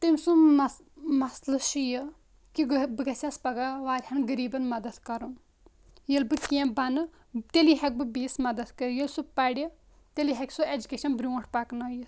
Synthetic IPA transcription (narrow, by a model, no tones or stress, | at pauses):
t̪imʲsu | mɐslɨʃijə | kibɨɡɐsʲaspɐɡaʋaːɾʲhɐnɡɐɾiːbɐnmɐd̪ɐd̪kɐɾun | jelbɨkẽbɐnɨ | t̪eliɦɐk̚ʲbɨbiːsmɐd̪ɐd̪kɐɾjelsupɐɽʲi | t̪eliɦɐkʲsued͡ʒukʲeːʃɐnbɾʲuːʈʰpɐknɐːji